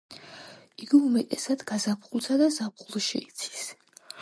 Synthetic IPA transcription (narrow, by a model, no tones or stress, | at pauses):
iɡiumɛt̪ʼɛsad̪ɡazapχulˠt̪ʰad̪azapχulˠʃḭit̪sʰi̥s